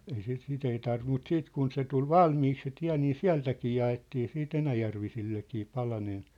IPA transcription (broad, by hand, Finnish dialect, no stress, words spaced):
ei sit sit ei tɑrʋim mut siːt kun se tul ʋɑlmiːk se tiæ̝ niː siæ̝ltækiː jɑetːiː siːt enæjærʋisilːekiː pɑlɑnen